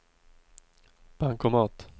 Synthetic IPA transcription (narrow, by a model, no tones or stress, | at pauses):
b̥aŋkɔmɑːt̪